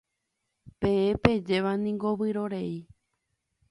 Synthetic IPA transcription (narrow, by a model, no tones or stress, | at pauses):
pẽẽped͡ʒe̞ʋanĩŋɡoʋɨɾo̞ɾei